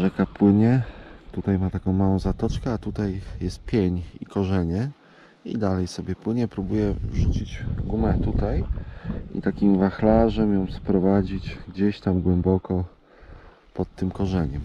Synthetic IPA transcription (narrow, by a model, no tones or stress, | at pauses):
ʐɛkapwɘɲɛt̪ut̪ajmat̪akɔ̃w̃mawɔ̃w̃zat̪ɔt͡ʂkɛat̪ut̪ajjɛst̪̚pʲjeɲḭkɔʐɛɲɛ | ḭd̪alɛjsɔbʲɛpwɘɲɛpɾubujɛvʐut͡ɕid͡ʑɡumɛt̪ut̪aj | ḭt̪akʲimvaxlaʐɛmjɔ̃w̃spɾɔvad͡ʑit͡ɕɡd͡ʑeɕt̪amɡwɛmbɔkɔ | pɔt̪ːɘmkɔʐɛɲɛm